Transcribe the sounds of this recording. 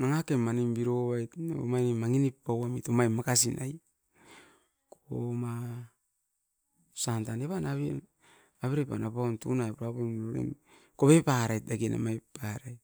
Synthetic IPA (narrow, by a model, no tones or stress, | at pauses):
naŋakemːanimbiɾoβajtnḛomanimːaŋinipːawamitomajmːakas̬ina̰j | koma | santaneβanaβi | aβeɾepa̰napaontṵnajpuɾapemloɾḛm | koβepaɾajt̚daɡena̰majpaɾaj